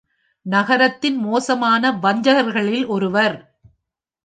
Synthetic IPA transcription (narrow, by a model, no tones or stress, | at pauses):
nɐɣɐɾɐt̪ːɪnmoːsɐmaːnɐʋɐɲd͡ʒɐɣɐɾɣɐɭɪlʔɔɾɯʋɐɾ